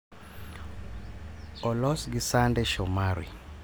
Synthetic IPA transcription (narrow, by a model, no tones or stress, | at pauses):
ɔlɔsɡisandɛʃɔmaɾḭ